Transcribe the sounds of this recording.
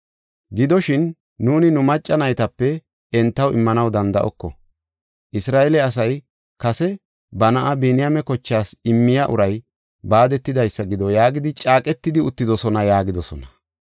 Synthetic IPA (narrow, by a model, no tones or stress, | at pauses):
ɡɪd̪ɔʃɪnː | uːnɪnʊmɐt͡ʃʼːɐnɐjt̪ɐpːɛ | ɛnt̪ːɐwɪmːɐnɐwd̪ɐnd̪ɐʔɔkːɔ | ʔɪsɾaːʔɛlɛɐs̬ɐj | kɐsɛ | bɐnɐʔɐbiːnɪjamɛkɔt͡ʃːaːsɪmːɪjaʔʊɾɐj | baːd̪ɛt̪ːɪd̪ɐjsːɐɡɪd̪ɔjaːɡɪd̪ɪt͡ʃʼaːkʼɛt̪ːɪd̪ɪʊt̪ːɪd̪ɔsɔnɐjaːɡɪd̪ɔsɔnɐ